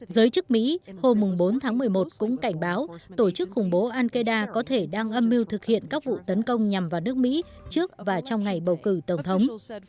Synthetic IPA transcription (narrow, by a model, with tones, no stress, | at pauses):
zəː˨˦jt͡ɕɨ˦˥k̚mḭ˧˥ho˧mːʊ˨˩ŋ͡mɓo˨˦nt̪ʰaː˨˦ŋmɨ˨˩əjmo˨˩t̚kʊ̰˧˥ŋ͡mka˧˩jŋ̟ɓaː˨˦wt̪o˧˩t͡ɕɨ˦˥k̚xʊ˨˩ŋ͡mɓo˨˦ʔaː˧nkə˧jɗaː˧kɔ˨˦t̪ʰe˧˩ɗaː˧ŋʔə˧mːi˧wt̪ʰɨ˨˩k̚hḭ˧˨ənkaː˦˥k̚vṵ˧˨t̪ə˨˦nkə˧wŋ͡mɲa˨˩mvaː˨˩wnɨ˦˥ək̚mḭ˧˥ | t͡ɕɨ˦˥ək̚vaː˨˩t͡ɕɔ˧wŋ͡mŋa˨˩jɓə˨˩wkɨ˧˩t̪ə˨˩ŋ͡mt̪ʰə˨˦wŋ͡m